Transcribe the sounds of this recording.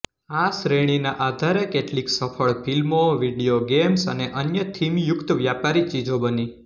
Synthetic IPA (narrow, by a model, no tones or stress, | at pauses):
asɾeɽ̃inaʔad̪ʱaɾekeʈliksəfʰəɭpilmoʋiɖijoɡemsəneʔənjət̪ʰimjʊkt̪əʋjapaɾit͡ʃid͡ʒobəni